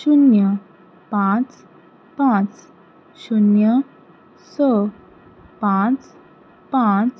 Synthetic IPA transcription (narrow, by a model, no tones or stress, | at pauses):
ɕunjə | pãt͡s | pãt͡s | ɕunjə | sə | pãt͡s | pãt͡s